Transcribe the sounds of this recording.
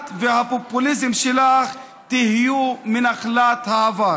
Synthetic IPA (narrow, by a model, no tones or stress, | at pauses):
t̪vehapopulizemʃelaχ | t̪ihijuminaχlat̪haːva